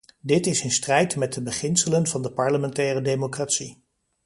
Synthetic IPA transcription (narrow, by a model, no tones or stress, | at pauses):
dɪtɪsɪnstrɛjtmɛt̚dəbəχɪnsələnvɑndəpɑɹləmɛntɛːrədejmokraːtsi